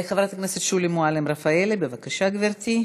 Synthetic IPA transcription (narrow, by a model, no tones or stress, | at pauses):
eχavɾat̪akneset̪ʃulimoalemɾafaelebevakaʃaɡveɾt̪i